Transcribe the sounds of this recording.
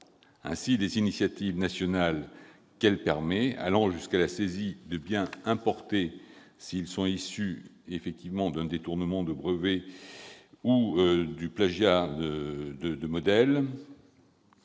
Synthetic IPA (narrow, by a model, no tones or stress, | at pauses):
ɛ̰̃sid̪ezinisjat̪ivnasjɔnal | kɛlpɛʁmɛa̰lɑ̃ʒyskalasezid̪əbjɛ̃ɛ̃pɔʁt̪esiːlsɔ̃isy | efɛk̚t̪ivmɑ̃d̪ɛ̃d̪et̪uʁnəmɑ̃d̪əbʁəve | ud̪yplaʒja | d̪əd̪əmɔd̪ɛl